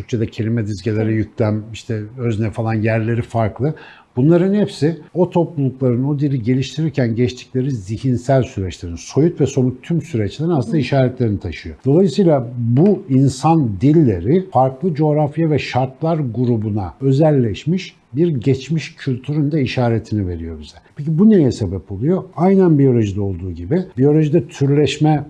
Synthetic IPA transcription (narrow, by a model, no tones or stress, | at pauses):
t̪ʰyɾk̚t͡ʃʰe̞d̪ɛcʰe̞lʲimɛd̪izɟelʲeɾɛjyc̚lʲæmiʃt̪ʰɛøznɛfalˠanjæɾlʲe̞ɾifaɾklˠɯ | b̥unlˠaɾɯnhɛpsio̞t̪ʰo̞plˠulˠuklˠaɾɯno̞d̪ilʲiɟe̞lʲiʃt̪ʰiɾiɾcʰænɟɛt͡ʃt̪ʰi̥clʲe̞ɾizihinsælʲsyɾɛt͡ʃlʲe̞ɾinso̞jut̪vɛso̞mut̪ʰːymsyɾɛt͡ʃlʲeɾinasɯnd̪aiʃaːɾɛt̪lʲe̞ɾinit̪ʰaʃɯjo̞̰d̪̥o̞lˠajɯsɯjlˠabuinsand̪ilʲːe̞ɾɪfaɾklˠɯd͡ʒo̞ɾafjavɛʃaɾt̪lˠaɾɡuɾubuna̰ø̞zɛlʲːɛʃmiʃ | biɾɟɛt͡ʃmiʃcʰylʲt̪ʰyɾynd̪ɛiʃaːɾet̪ʰinive̞ɾijo̞biz̥ɛpʰecibunejɛse̞bɛpo̞lˠujo̞ajnænbijo̞lʲo̞ʒid̪ɛo̞lˠd̪uːɟibɪbijo̞lʲo̞ʒid̪ɛt̪ʰyɾlʲɛʃmɛ